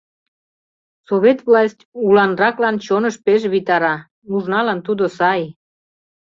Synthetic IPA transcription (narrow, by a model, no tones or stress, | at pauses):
soβet̪vlɑsʲtʲulɑnrɑklɑnt͡ɕonəʃpeʃ̬βit̪ɑɾɑ | muʒnɑlɑnt̪ud̪osɑj